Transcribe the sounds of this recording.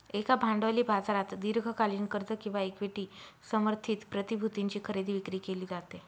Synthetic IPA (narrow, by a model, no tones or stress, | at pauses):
ekabʱãɳɖʋaliːbʱad͡zaɾat̪d̪iɾɡʱəkaliːnkəɾt̪əkĩw̃ʋaekʋeʈiːsəməɾt̪ʰiːt̪pɾət̪ibʱut̪iɲt͡ɕiːkʰəɾed̪iʋikɾiːkeliːd͡zat̪e